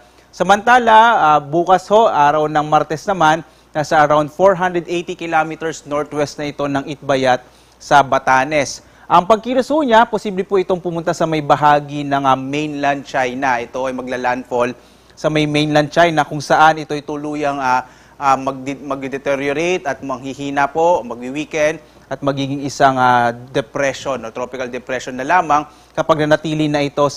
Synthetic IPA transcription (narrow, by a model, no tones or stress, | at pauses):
sɐmɐnt̪aːlɐabuːkɐsho̞ʔʔaːɾɐwnɐŋmaɾt̪ɛsnɐmanː | ɐsɐʔɐɾawnd̪̚foɹɦand̪ɾɛd̪ʔejt̪ikɪlaːmit̪ɛɹsnoɹt̪wɛst̪̚nɐʔɪt̪o̞nɐŋɪt̪̚bɐjat̪̚ | sɐbɐt̪aːnɛs | ʔɐŋpɐɡ̚kiɾɐsuɲaposiːblɛpʊʔɪt̪o̞ŋpʊmʊnt̪asɐmɐjbɐɦaːɡinɐŋɐmejnland̪̚t͡ʃajnɐʔɛt̪o̞ʔɐjmɐɡ̚lalanfol | sɐmɐjmejnlɐnd̪̚t͡ʃajnɐkʊŋsɐʔanɪt̪o̞jt̪ʊluːjɐŋa | ʔamɐɡ̚mɐɡ̚d̪ɛd̪ɛt̪ɛɾjoɾejt̪ɐt̪̚mɐŋhihiːnɐpoʔmɐɡ̚iwiːkɛnd̪̚ | ʔɐt̪̚mɐɡiːɡɪŋɪsaŋad̪ɛpɾɛʃonʔot̪ɾopɪkɐld̪ɛpɾɛʃonːɐlaːmɐŋ | kɐpɐɡ̚nɐnɐt̪iːlɪnɐʔɪt̪o̞s